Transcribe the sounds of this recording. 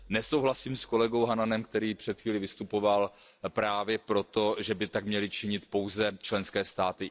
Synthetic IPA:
nɛsowɦlasiːmsko̞lɛɡo̞wɦananɛmkt̪ɛɾiːpr̝̥ɛt̪xviːlɪvɪst̪upo̞valpɾaːvjɛpɾo̞t̪o̞ʒɛbɪt̪akmɲɛlɪt͡ʃɪɲɪt̪po̞wzɛt͡ʃlɛnskɛːst̪aːt̪ɪ

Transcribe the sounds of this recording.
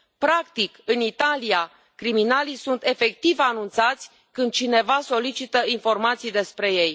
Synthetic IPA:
pɾakt̪ikɨnit̪alija | kɾiminalisunt̪e̞fe̞k̚t̪ivanunt̪sat̪sʲ | kɨnd̪̚t͡ʃine̞vaso̞lit͡ʃit̪əinfo̞rmat̪sijd̪e̞spɾe̞je̞j

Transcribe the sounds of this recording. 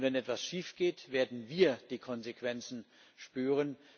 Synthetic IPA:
vɛnʔɛtv̥asʃiːfɡ̥eːtveːɐdn̩viːɐd̥iːkʰɔnzekv̥ɛnt͡sn̩ | ʃpyːʁən

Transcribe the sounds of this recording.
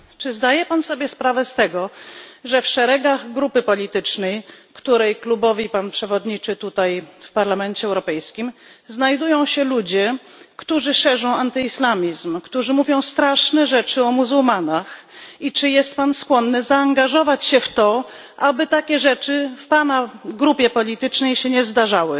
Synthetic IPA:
t͡ʂɘzd̪ajɛpansɔbʲjɛspɾavɛst̪ɛɡɔʐɛfʂɛɾɛɡaɣɡɾupɘpɔlʲit̪ɘt͡ʂnɛjkt̪uɾɛjklubɔvʲipanpʂɛvɔd̪ɲit͡ʂɘt̪ut̪ajfpaɾlamɛnt͡ɕɛːwɾɔpɛjskʲimznajd̪ujɔ̃w̃ɕɛlud͡ʑɛ | kt̪uʐɘʂɛʐɔ̃w̃ant̪ɘislamʲizmkt̪uʐɘmuvʲjɔ̃w̃st̪ɾaʂnɛʐɛt͡ʂɘɔmuzuwmanaxit͡ʂɘjɛst̪̚panskwɔnːɘzaːŋɡaʐɔvat͡ɕɕɛft̪ɔ | ʔabɘt̪akʲɛʐɛt͡ʂɘfpanaɡɾupʲjɛpɔlʲit̪ɘt͡ʂnɛjɕɛɲɛzd̪aʐawɘ

